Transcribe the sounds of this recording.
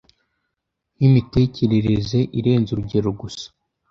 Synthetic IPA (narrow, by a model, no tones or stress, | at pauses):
jimite̞ːce̞ɾe̞ɾe̞ze̞ʔiɾe̞ːnzuɾuɟe̞ɾoɡusḁ